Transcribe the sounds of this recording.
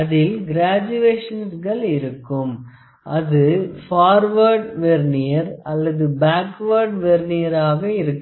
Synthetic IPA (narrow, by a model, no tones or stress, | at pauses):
ɐðɪlɡɪɾaːd͡ʒɯeːʂɐnsɣɐɭɪɾɯkːɯm | ʔɐðɯfaːɾʋɐɾɖʋeɾnɪjɐɾɐlːɐðɯbaːkʋɐɾɖʋeɾnɪjɐɾaːɣɐɪɾɯkː